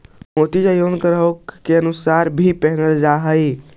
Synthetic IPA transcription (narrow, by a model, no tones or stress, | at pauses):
mot̪id͡ʒajonkəɾəkkːeənusaɾbʱipəɦnəld͡ʒaɦəɪ